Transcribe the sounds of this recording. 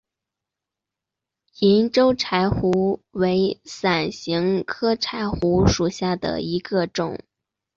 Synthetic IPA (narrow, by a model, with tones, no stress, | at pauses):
i˧˥nʈ͡ʂo˥ʊʈ͡ʂʰa˧˥ɪxu˧˥we˧˥ɪsa˨˩nɕi˧˥ŋkʰɤ˥ʈ͡ʂʰa˧˥ɪxu˧˥ʂu˨˩ɕja˥˩d̪ə̰˩i˧˥ɡə˧ʈ͡ʂʊ̰˨˩˦ŋ